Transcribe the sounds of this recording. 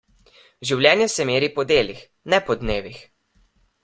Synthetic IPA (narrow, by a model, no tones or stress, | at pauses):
ʒiwlʲjɛːnjɛsɛmeːɾipɔd̪eːlix | nɛpɔd̪neːʋix